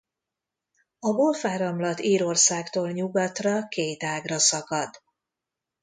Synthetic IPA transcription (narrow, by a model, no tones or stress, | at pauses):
ɒbolfaːɾɒmlɒt̪iːɾo̞rsaːkt̪oːlɲuɡɒt̪rɒkejt̪aːɡrɒsɒkɒd̪